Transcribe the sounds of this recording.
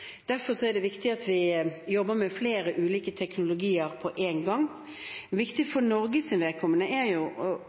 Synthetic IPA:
d̪̥æɾfɔɾsɔæɾd̪ɛʋɪkt̪ɪɑt̪ʋɪjɔbːəɾmɛfleːɾəʔʉːliːkət̪ʰɛknʊlʊɡiːəɾpʰɔʔeːnɡɑŋː | ʋɪkt̪ɪfɔɾnɔɾɡəsɪnʋɛkʰɔmːənəʔæɾjʊɔ

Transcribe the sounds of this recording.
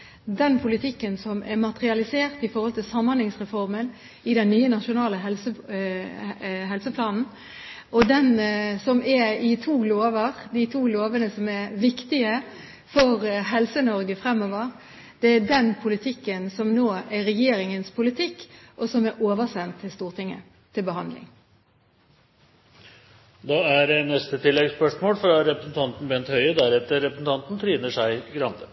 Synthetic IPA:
d̪ɛnpʰʊlɪt̪ʰɪkːənsɔmɛɾmɑt̪ɾɪɑlɪseːʁt̪ɪfɔɾhɔlt̪ɪlsɑmːɑnlɪŋsʁɛfɔɾmən | ɪd̪ɛnːyːənɑʂʊnɑːləɦɛlsə | ɦɛlsəpʰlɑːnn̩ | ɔd̪ɛnsɔmɛɪt̪ʰuːloːʋəɾd̪ɪt̪ʰuːloːʋənəsɔmæɾʋɪkt̪ɪə | fɔɾɦɛlsənɔɾɡəfɾɛmːɔːʋəɾ | d̪̥ɛæd̪ɛnpʰʊlɪt̪ʰɪkːənsɔmnoːæɾɛjeːɾɪŋənspʰʊlɪt̪ʰɪkːʔɔsɔmæɾʔoːʋəsɛnt̪ʰːɪlst̪uːʁt̪ʰɪŋːə̰ | t̪ʰɪlbəɦɑnd̪lɪ̰ŋ | d̪ɑːæɾɛnɛst̪ət̪ʰɪlːɛɡspœʂmoːlfɾɑɾɛpɾəsn̩t̪ʰɑnt̪n̩bɛnt̪hœʏəd̪æɾɛt̪əɾɾɛpɾəsn̩t̪ʰɑnt̪n̩t̪ʰɾiːnəʂæɪɡɾɑnt̪ʰə

